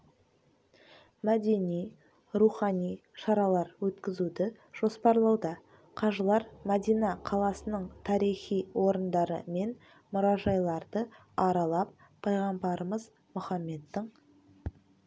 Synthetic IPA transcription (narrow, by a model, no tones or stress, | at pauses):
mæd̪e̞nij | ɾuχɑnijʃɑɾɑlˠɑɾwɵt̪kʲɪzud̪ɪ | ʒ̥o̞spɑɾlˠɑwd̪ɑ | qʰɑʒəlˠɑɾmæd̪ijnɑqʰɑlˠɑsənəɴt̪ʰɑɾijχijwo̞ɾənd̪ɑɾə̰me̞n | mʊɾɑʒɑjlˠɑɾd̪ə | ɑɾɑlˠɑp̚ʰː | ɑjʁɑmbɑɾəməz | mʊχɑmːe̞d̪ːɪɴ